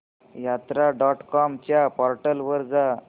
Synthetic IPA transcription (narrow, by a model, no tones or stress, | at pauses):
jat̪ɾaɖɔʈkɔmt͡ɕjapɔɾʈəlʋəɾd͡za